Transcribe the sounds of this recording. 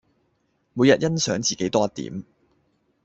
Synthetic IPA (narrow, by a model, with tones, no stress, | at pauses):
muː˨˧jɐ˨t̚jɐ˥nsœː˨˥ŋt͡siː˨ke˨˥jt̪ɔː˥ɐ˥t̪ːḭː˨˥m